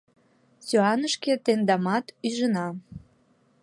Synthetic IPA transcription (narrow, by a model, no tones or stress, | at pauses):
syɑnəʃket̪end̪ɑmɑt̪yʒənɑ